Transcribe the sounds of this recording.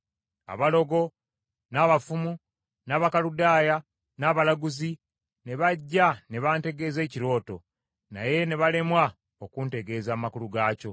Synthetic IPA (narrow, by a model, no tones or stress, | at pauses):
a̰βalo̞ɡo̞ | naːβafumu | naːβakaludaːja | naːβalaɡuzi | ne̞βaɟːane̞βaːnte̞ɡe̞ːze̞ːciɾo̞ːto̞̰ | na̰je̞ne̞βale̞mwa | o̞kunte̞ɡe̞ːzaːmakuluɡaːco̞